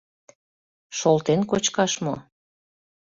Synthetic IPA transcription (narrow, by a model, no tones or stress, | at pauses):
ʃolt̪enkot͡ɕkɑʃmo